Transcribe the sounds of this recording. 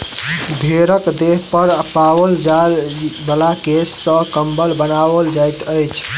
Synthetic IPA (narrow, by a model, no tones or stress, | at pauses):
bʱeɾəkd̪eɦpəɾəpabəld͡ʒalbəlakesːə̃kəmbəlbənabəld͡ʒajt̪əjt͡ʃʰ